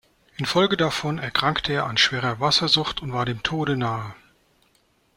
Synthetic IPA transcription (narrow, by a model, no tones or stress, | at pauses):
ʔɪnfɔlɡədafɔnɛɐkʁ̥aŋktʰəeːɐanʃv̥eːʁɐvasɐzʊχtʊntv̥aːɐdeːmtʰoːɾənaːə